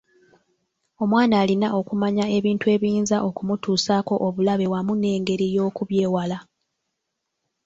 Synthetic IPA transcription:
o̞mwaːnaːlinaʔo̞kumaɲae̞βiːntue̞ːβiːnzaʔo̞kumutuːsaːko̞ʔoβulaβe̞wamune̞ːŋɡe̞ɾijo̞ːkuβje̞ːwala

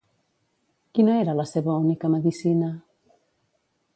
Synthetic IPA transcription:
kinɔɛɾalasɛβaonekamaðisena

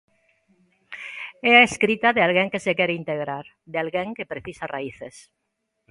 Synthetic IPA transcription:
ɛaeskɾit̪aðealɣeŋkesekeɾeint̪eɣ̞ɾaɾ | ðealɣeŋkepɾeθisaraiθes

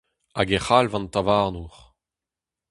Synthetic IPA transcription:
aɡeχalvɑ̃nt̪avaʁnuʁ

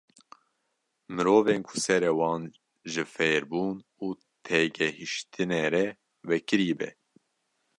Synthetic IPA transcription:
mɨɾoːveːnkʰʊ̥sɛɾɛwɑːn | ʒɨfeːɾbuːnuː | t̪ʰɛɡɛhiʃt̪ʰɨneɾɛ | vɛkɨɾiːbɛ̰

